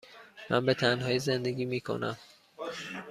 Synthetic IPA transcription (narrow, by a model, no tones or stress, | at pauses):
mæ̰nbe̞t̪ʰænɦɒːjeze̞nd̪e̞ɡiːmiːkʰo̞̰næ̰m